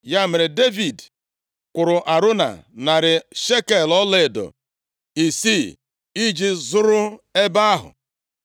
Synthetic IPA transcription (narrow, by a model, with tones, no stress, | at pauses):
ja˦me˨ɾe˨de˦vi˨d | kʷʊ˨ɾʊ˨ʔa˨ɾʊ˦na̰˨na˨ɾɪ˨ʃe˦ke˨lɔ˦le˦˨dɔ̰˨ | i˨si˦˨ | i˦d͡ʒi˨zʊ˦ɾʊ˦e˦ba˦a˦ɦʊ̰˨